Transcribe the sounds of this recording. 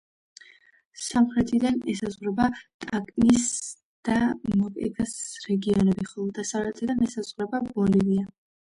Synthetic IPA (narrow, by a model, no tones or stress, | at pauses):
samχɾɛt̪ʰid̪anɛsazʁɾɛbat̪ʼakʼnis | d̪̥amɔkʼɛ̰dasɾɛɡiɔnɛbiχɔlˠɔd̪asavlɛt̪ʼɛd̪anɛsazʁɾɛbabɔlivia